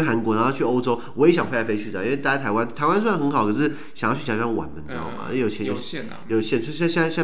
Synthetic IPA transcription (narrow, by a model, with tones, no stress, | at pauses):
xa˧˥nkwɔ˧˥na˨˧˥xʊt͡ɕʰy˥˩o˥ʊʈ͡ʂo˥ʊwɔ˧˥jɛ˧˥ɕɑ˨˩ŋfe˥˩t͡ɕa˧˥˩e˥ɪt͡ɕʰy˥˩d̪ə˩i˥we˥˧ɪt̪a˥˩ja˥t̪ʰa˧˥ɪwa˥˦nt̪ʰa˧˥wa˥nswnxə˧˥nxɑ˨˩ʊkʰɤ˨˩˥ʂɻ̩˥˩ | ɕŋjt͡ɕʰy˥˩t͡ɕa˧˥˩ʂɑ˥˩˧wa̰˨˥˦nmə˨nt̪ɑ̰˥˩ʊ̰˩˥˧jo˨˩ʊt͡ɕʰɛ˧˥njo˨˩˧ | jo˨˩ʊɕjɛ˥˩˥ɕɑ˥˧ɕɑ˥˧ɕ